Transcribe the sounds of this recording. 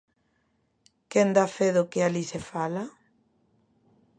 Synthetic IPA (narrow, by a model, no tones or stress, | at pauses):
kend̪afeðʊkɪalisefala